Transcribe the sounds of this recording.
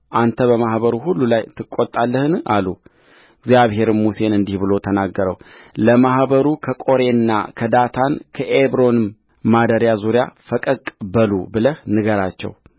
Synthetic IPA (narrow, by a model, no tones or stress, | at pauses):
ʔant̪ʰəβəmahβəɾuɦulːulajt̪ʰɨkʼːot̪ʼːalːəhɨnalṵ | ɪɡzjaβhe̞ɾɨmmuse̞nɨnd̪ihbɨlo̞t̪ʰənaɡːəɾəwləmahbəɾukʰəkʼo̞ɾe̞nːa̰kʰəd̪at̪ʰankʰəʔebɾo̞nɨm | mad̪əɾjazuɾja̰fəkʼəkʼbəlṵbɨləhnɨɡəɾat͡ʃːɛ̰w